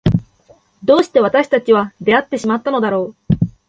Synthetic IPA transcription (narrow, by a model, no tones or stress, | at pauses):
d̪o̞ːɕi̥t̪e̞βat̪aɕi̥t̪at͡ɕiβad̪e̞at̪ːe̞ɕimat̪ːano̞d̪aɾo̞ː